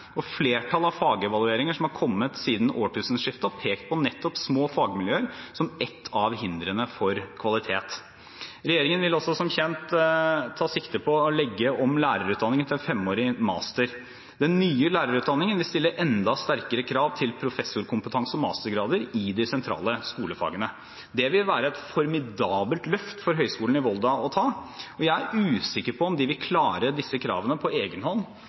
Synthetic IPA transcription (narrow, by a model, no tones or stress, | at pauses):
ɔfleːʈʰɑlɑʋfɑːɡɛʋɑlˠʉeːɾɪŋəʂɔmhɑɾkʰɔmːət̪siːd̪n̩oːʈʉːsən̩ʂɪft̪ɑɔpʰeːkt̪̚pʰɔnɛt̪ːɔpsmoːfɑːɡmɪljøːəɾsɔmɛt̪ʰːɑʋhɪnd̪ɾənəfɔɾkʰʋɑlɪt̪ʰeːt̪ | ɾɛjeːɾɪŋənʋɪlɔsɔsɔmçɛnt̪tʰːɑːsɪkt̪əpʰɔːlɛɡːəɔmlæːɾəɾʉːt̪̚d̪ɑnːɪŋənʰɪɛnfɛmoːɾɪmɑ̰ːst̪əɾ | d̪ɛnːyːəlæːɾəɾʉːt̪̚d̪ɑnːɪŋənʋɪlst̪ɪlːəɾʔɛnd̪ɑst̪æɾkəɾəkʰɾɑːʋt̪ʰɪlpʰɾʊfɛsːʊɾkʰʊmpət̪ʰɑŋsɔmɑ̰ːst̪əɾɡɾɑːd̪əɾɪd̪ɪsɛnt̪ʰɾɑ̰ːləskuːləfɑ̰ːɡənə | d̪ɛʋɪlʋæːɾəɛt̪fɔɾmɪd̪ɑːbəlt̪lœft̪əfɔɾɦœʏskuːn̩ɪʋɔld̪ɑɔt̪ʰɑːɔjæɪæɾʉːsɪkːəɾpʰɔːmd̪ɪʋɪlkʰlɑːɾəd̪ɪsːəkʰɾɑ̰ːʋənəpʰɔeːɡənhɔnː